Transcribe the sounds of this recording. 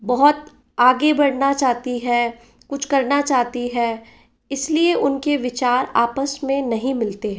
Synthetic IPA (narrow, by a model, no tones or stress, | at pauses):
bɐɦɔt̪ | aːɡebɐɽnat͡ʃaːɦt̪iɦɛ | kʊt͡ʃʰkɐɾnat͡ʃaːɦt̪iɦɛː | ɪslieʔʊnkeʋɪt͡ʃaːɾa̰ːpəsmẽnɐɦĩmɪlt̪eɦɛ̃ː